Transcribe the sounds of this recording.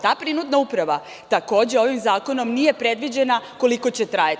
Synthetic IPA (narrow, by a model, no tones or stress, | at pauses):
t̪aːpɾinud̪naupɾaʋa | t̪ako̞ːd͡ʑeo̞ʋimzaːko̞no̞mnije̞pɾed̪ʋid͡ʑe̞nako̞liko̞t͡ɕe̞t̪ɾaja